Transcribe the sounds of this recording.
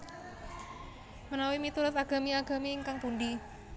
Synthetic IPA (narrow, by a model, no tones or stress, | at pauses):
mənawimit̪uɾat̪aɡ̥a̤miaɡ̥a̤miːŋkaŋpundi